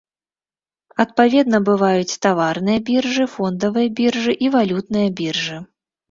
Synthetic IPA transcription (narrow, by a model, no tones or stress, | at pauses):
ɐt̪̚pavʲɛd̪nɐbɨvajut͡sʲt̪avarnɨjɐbʲirʐɨfɔnd̪ɐvɨjɐbʲirʐɨʔivalʲut̪nɨjɐbʲirʐɨ